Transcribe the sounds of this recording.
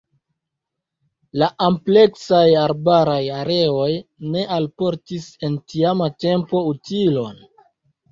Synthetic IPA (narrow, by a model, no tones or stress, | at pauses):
laʔample̞ksajaɾbaɾajaɾe̞o̞jne̞ʔalpo̞ɾtise̞ntiamate̞mpo̞utilo̞n